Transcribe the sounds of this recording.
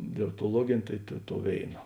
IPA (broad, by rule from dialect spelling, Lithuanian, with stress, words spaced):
dʲɛlˠoːktoːˈlˠuɔɡʲeːnʲeː ˈtɐɪ tɐ toːʊ ˈʋʲeːɪnɐ